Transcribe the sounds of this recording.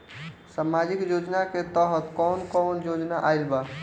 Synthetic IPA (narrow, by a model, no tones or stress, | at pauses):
samad͡ʒikjod͡ʒnaket̪əɦət̪kɔnkɔːnjod͡ʒnaʔailba